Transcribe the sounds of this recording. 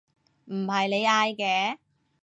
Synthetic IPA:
m̩˨˩hɐ˨jle˨˧jaː˧jkɛː˨˧

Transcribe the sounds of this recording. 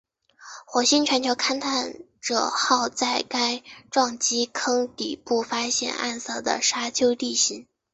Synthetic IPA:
xwɔ˨˧˥ɕi˥nʈ͡ʂʰwa˧˥nt͡ɕʰjo˧˥ʊkʰa˥nt̪ʰa˥˩n | ʈ͡ʂɤ˨˩xɑ˥˧ʊt͡sa˥˩ɪka˥ɪʈ͡ʂwɑ˥˩ŋt͡ɕi˥kʰɤ˥ŋt̪ḭ˨˩pu˥˩fa˥ɕjɛ̰˥˧nʔa̰˥˧nsɤ˥˩d̪ə̰˩ʂa˥t͡ɕʰjo˥ʊt̪i˥˩ɕi˧˥n

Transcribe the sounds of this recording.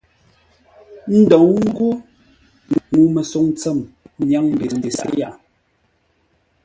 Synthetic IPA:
n̩˦dɔ˨ŋŋ̩˦ɡo˦˨ | mu˨˦mɛ˨so˨˦ŋt͡sɛ˦˨m˦ɲja˨˦ŋm̩˦be˨n̩˦de˨sa̰˨ʔja˨

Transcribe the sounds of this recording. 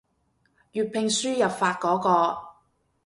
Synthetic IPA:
jyː˨t̚pʰɪ˨˧ŋsyː˥jɐ˨p̚faː˧t̚kɔː˨˥kɔː˧

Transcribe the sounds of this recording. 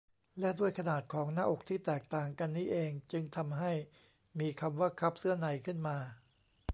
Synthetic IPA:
lɛ˦˥ʔdu˥˩əjkʰa˧naː˨˩t̪̚kʰɔː˩˦ŋnaː˧˥ʔo˨˩k̚t̪ʰiː˥˩t̪ɛː˨˩k̚t̪aː˨˩ŋka˧nːiː˦˥ʔeː˧ŋt͡ɕɯ˧ŋt̪ʰa˧mɦa˥˩j | miː˧kʰa˧mwaː˥˩kʰa˦˥p̚sɯ˥˩ɐna˧˩jkʰɯ˥˩nmaː˧

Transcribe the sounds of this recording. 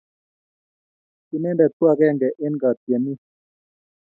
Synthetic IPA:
ki˨nɛ˦ndɛ˨t̪u˦a˦˨kɛ˦˨ŋɡɛ˨ʔe˦nɡa˨t̪jɛ˨ni˦

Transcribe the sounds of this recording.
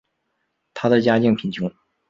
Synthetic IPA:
t̪ʰa˥d̪ə˨t͡ɕja˥t͡ɕi˥˩ŋpʰi˧˥nt͡ɕʰʊ˥ŋ

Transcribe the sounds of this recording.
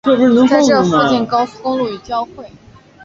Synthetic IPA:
ɛ˥˧˩ʂ̩˥ə˧˥t͡sa˥ʈ͡ʂɻɤ˥˩˧fu˥˧t͡ɕjɛ˥˩nkɑ˥ʊsu̥˥˧kʊ˥ŋlu˥˩y˨˩t͡ɕjɑ˥˧ʊxwe˥˩ɪ

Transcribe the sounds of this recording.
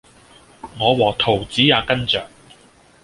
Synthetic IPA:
ŋɔː˨˧wɔː˨˩k̚t̪ʰo˨˩wt͡siː˨˥jaː˨˧kɐ˥nt͡sœː˨ŋ̚

